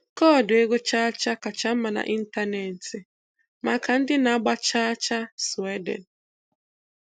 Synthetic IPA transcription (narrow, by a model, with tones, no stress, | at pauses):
kɔ˦˨dʊ˨e˦ɡo˦t͡ʃa˦t͡ʃa˦ka˨t͡ʃa˦m̩˦ma˨na̰˨ʔi˦n̩˦ta˦ne˨n̩˨ti˨ | ma˨ka˨n̩˦dɪ˦na˨˦ɡ͡ba˦t͡ʃa˦t͡ʃa˦swe˦dḛ˨n̩˨